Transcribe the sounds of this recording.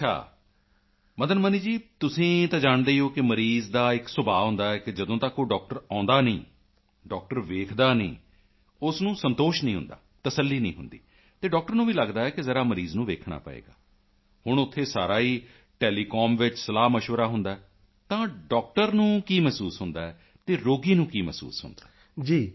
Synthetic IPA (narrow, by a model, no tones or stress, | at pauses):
ət͡ʃʰa̰ː | məd̪ənməniːd͡ʒiːt̪ʊsĩːt̪ãːd͡ʒaːɳd̪eːoːkɪməɾiːzd̪aːɪksʊbaːɦʊ̃nd̪aːɛːkɪd͡ʒəd̪õːt̪aːkːoːɖɔːk̚ʈəɾãːnd̪aːnəḭ̃ː | ɖɔːk̚ʈəɾʋeːkʰd̪aːnəḭ̃ː | ʊsnũːsənt̪oːʃnəĩːɦʊ̰̃nd̪a̰ːt̪əsəlːiːnḭ̃ːɦʊnd̪ḭː | t̪eːɖɔːk̚ʈəɾnũːʋiːləɡd̪aːɛːkɪzəɾaːməɾiːznũːʋeːkʰɳa̰ːpə̰ḛːɡa̰ː | hʊɳ̃ʊt̪ʰːeːsaːɾaːiː | ʈɛːliːkɔːmʋɪt͡ʃsəlaːməʃʋəɾaːɦʊnd̪aːɛː | t̪ãːɖɔːk̚ʈəɾnũːkiːmɛːsuːsɦʊnd̪aːɛː | t̪eːɾoːɡiːnũːkiːmɛ̰sṵːsɦʊ̰nd̪aː | d͡ʒiː